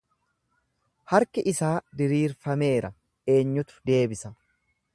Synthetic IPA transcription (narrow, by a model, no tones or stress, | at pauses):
hɐɾkɪʔɪsaːd̪ɪɾiːɾfɐme̞ːɾɐ | e̞ːɲːʊt̪ʊ̥d̪e̞ːbɪsɐ